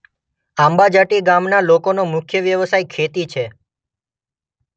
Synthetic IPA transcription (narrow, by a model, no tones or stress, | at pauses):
ambad͡ʒaʈiɡamnalokonomʊkʰjəʋjəʋəsajkʰet̪it͡ʃʰe